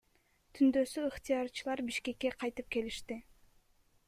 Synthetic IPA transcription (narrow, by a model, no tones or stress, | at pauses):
t̪ʰynd̪ø̞syːχt̪ijɑɾt͡ʃɯlˠɑɾbiʃke̞kːe̞qʰɑjt̪ɯp̚ke̞liʃt̪i